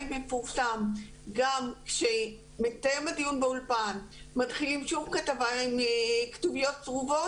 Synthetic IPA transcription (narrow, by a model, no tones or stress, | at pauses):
mme̞fuʁsam | ɡamkʃe | metajemadijunbeulpan | matχilimʃuvkatavaimktuvijo̞tsʁuvo̞